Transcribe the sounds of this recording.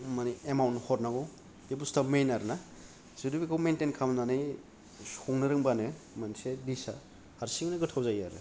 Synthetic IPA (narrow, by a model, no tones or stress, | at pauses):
maniemawnhɔt̚naɡow | debustamejnaɾna | z̥ɯdubikʰawmentenkʰamnanɯj | soŋnɯɾɯŋbanɯ | mansedisa̰ | haɾsiŋnɯɡɯtʰawzajaɾɯ̰